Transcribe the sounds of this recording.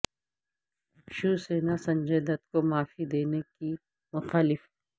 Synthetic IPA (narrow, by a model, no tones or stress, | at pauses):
ʃuːseːnasɐ̃ɲd͡ʒeːd̪ət̪komaːfid̪eːneki | mʊxaːlɪf